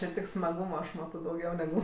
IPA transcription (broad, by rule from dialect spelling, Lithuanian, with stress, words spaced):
t͡ʃʲɛ ˈtʲɪk smɐˈɡuːmɐ ɐʃ ˈmɑːtoː dɐʊˈɡʲɛʊ nʲɛˈɡʊ